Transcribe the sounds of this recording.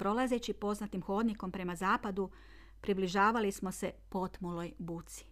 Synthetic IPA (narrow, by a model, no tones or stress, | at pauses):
pɾo̞laze̞t͡ɕipo̞znat̪imxo̞ːd̪niko̞mpɾe̞mazaːpad̪u | pɾibliʒaːʋalismo̞se̞po̞t̪mulo̞jbut̪si̥